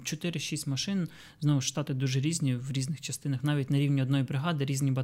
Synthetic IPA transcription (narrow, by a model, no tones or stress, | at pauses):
t͡ʃɔt̪ɪɾɪʃisʲtʲmɐʃɪn | znɔʋʊʃʃt̪ɑt̪ɪd̪uʒɛɾʲizʲnʲiʋɾʲiznɪxt͡ʃɐst̪ɪnɐxnɑʋʲitʲnɐɾʲiwnʲiɔd̪nɔjibɾɪɦɑd̪ɪɾʲizʲnʲibɐ